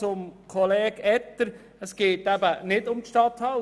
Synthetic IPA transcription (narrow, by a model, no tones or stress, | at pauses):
ʊmkʰɔlɛːɡɛtːəɾ | əsɡ̥eːtæbənɪdʊmtʃtɑt̪hɑ